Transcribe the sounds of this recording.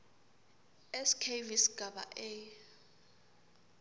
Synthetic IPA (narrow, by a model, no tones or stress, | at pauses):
ɛskʰevisɡ̥ʱaɓa̰ʔe